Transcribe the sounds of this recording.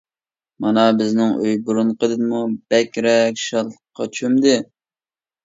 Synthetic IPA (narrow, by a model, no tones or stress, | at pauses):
mɑnɑbɪznɪŋøjbuɾunqʰəd̪ɨd̪ɨmub̥ɛkʲɾɛkʲʃɑlˠqʰːɑt͡ʃʰymd̪ɪ